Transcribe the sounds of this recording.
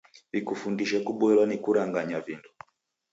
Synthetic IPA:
vikufundiʃakuɓɛlwanikuɾaŋɡaɲavindu

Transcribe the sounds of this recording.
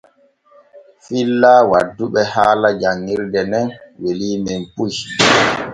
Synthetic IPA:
filːawadːuɓɛhaːlad͡ʒaŋːiɾdɛnɛnweliːmɛmpuj

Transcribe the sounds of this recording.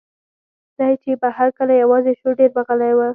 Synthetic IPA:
z̥ɑt͡ʃebəhaɾkəlajawɑzeʃoɖeɾbaɣəlajwa

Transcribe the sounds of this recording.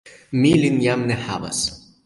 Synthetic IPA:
milinjamnɛħa̰bɐ̰s

